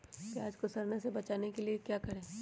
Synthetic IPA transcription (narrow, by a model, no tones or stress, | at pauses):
keaːd͡ʒkosɐɾnesebɐt͡ʃaːnekeliekjaːkɐɾẽː